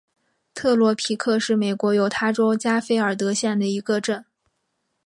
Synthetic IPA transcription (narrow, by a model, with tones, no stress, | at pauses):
t̪ʰɤ˥˩lwɔ˧˥pʰi˧˥kʰɤ˥˧ʂɻ̩˥˩me˨˩ɪkwɔ˧˥jo˧˥ʊt̪ʰa˥ʈ͡ʂo˥ʊt͡ɕja˥fe˥ɪə˞˨˩t̪̬ɤ˧˥ɕjɛ˥˩nd̪ə˩i˧˥ɡə˧ʈ͡ʂə˥˩n